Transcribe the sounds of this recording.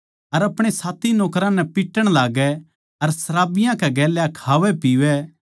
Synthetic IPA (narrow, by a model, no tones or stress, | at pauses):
ɐɾɐpɽ̃esaːt̪ʰinɔːkɾãnɛpɪʈːəɽ̃laːɡɛ | ɐɾsɐɾaːbɪjãkɛɡɛːljakʰaːʋɛpiːʋɛ